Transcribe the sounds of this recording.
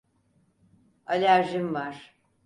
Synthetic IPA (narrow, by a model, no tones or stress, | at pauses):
alʲæɾʒimvaɾ̥